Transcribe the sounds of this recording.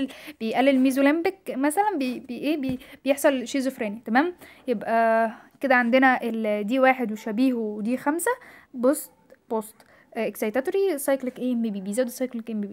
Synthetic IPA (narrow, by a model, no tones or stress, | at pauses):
b̥ejʔælːelmiːzolæmbekmæsælænbebeʔeːbeb̥ejeħsˤɑlʃeːzofɾæːnit̪æmæːmjebʔæked̪æʕand̪enæʔeld̪iːwæːħed̪weʃæbiːhwed̪iːxæmsæbost̪b̥ost̪ | ʔeksɑjt̪æt̪oɾisˤɑjklekʔeːmbebiːbizæwd̪isˤɑjklekʔeːmbibi